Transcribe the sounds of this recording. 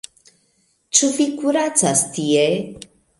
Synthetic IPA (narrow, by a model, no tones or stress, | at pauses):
t͡sufikuɾat͡sast̪ie